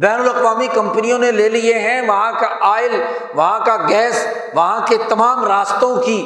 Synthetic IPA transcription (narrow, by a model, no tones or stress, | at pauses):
bɛːnʊlɐqʋaːmikɐ̃mpənijõnẽleːlieɦɛ̃ʋɐɦãkaaːɪl | ʋɐɦãkaɡɛːs | ʋɐɦãket̪ɐmaːmɾaːst̪õkiː